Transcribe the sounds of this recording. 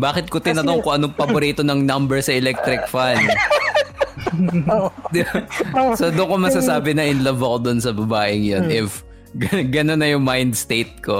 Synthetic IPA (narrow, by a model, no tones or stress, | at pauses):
baːkɪt̪̚kot̪ɪnɐt̪oŋkʊŋʔɐnoŋpɐboɾit̪onɐŋnɐmbɛɹsɐɛlɛk̚t̪ɾɪk̚fan | d̪ɪbsod̪ʊŋkomɐsasaːbɪnɐʔɪnlɐbɐkod̪onsɐbɐbaːʔɪŋjonʔɪf | ɡɐɡɐnonɐjʊŋmajnd̪st̪ejt̪̚ko